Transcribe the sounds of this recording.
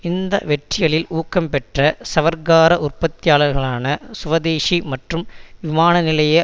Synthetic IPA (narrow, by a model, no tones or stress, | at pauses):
ɪnd̪ɐ̰ʋɛʈrɪjɐɭɪluːkːɐmpɛʈrɐsɐʋɐɾɡaːɾɐʔʊrpɐt̪ːɪjaːɭɐɾɣɐɭaːnɐsʊʋɐd̪eːʂimɐʈrɯmʋɪmaːnɐnɪlɐjɐ